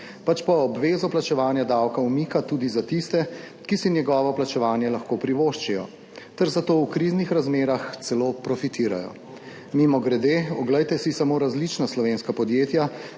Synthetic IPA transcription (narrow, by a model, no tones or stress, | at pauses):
pat͡ʃpɔːbʋeːzɔplat͡ʃɛʋaːnjad̪awkaumikat̪ud̪izat̪ist̪ɛ | kisinjɛɡɔːʋɔplat͡ʃɛʋaːnjɛlaxkopɾiʋoʃt͡ʃijɔ̰ | t̪ɛɾzat̪oːwkɾiznixɾazmeːɾaxt̪sɛloːpɾɔfit̪iːɾa̰jɔ̰ | mimɔɡɾɛd̪eːɔɡlɛjt̪ɛsisamoːɾazlit͡ʃnaslɔʋeːnskapɔd̪jeːt̪ja